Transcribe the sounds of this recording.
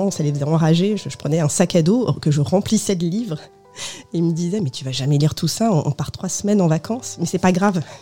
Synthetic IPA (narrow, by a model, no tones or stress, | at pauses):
ɑ̃salefəzɛɑ̃ʁaʒeʒəʒəpχənɛɛ̃sakad̪okəʒəʁɑ̃plisɛd̪əlivʁ | eməd̪izɛmɛt̪ʰyvaʒamɛliʁt̪usaɔ̃ʔɔ̰̃paʁt̪χwasmɛnɑ̃vakʰɑ̃smɛsɛpaɡʁav